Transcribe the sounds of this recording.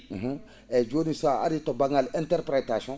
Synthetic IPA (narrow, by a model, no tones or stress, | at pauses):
ɦũ | ɛd͡ʒonisaa̰ɾitɔbãŋɡalɛ̃ntɛɾpɾɛtasɔ̃